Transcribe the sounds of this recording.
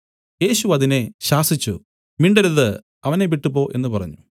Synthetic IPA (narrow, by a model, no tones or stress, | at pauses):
je̞ːɕuɐðine̞ɕaːsit͡ɕːu | miɳɖɐɾɐðɨ | ɐʋɐne̞ʋiʈːupːo̞ːʔe̞nːɨpɐrɐ̰ɲːu